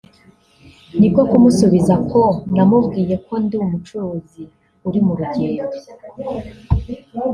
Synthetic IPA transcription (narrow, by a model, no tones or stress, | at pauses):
nikokumusuβizakʰondamuvɡiːje̞kʰo̞nduwumut͡ʃuɾuːzi | uɾimuɾuɟeːo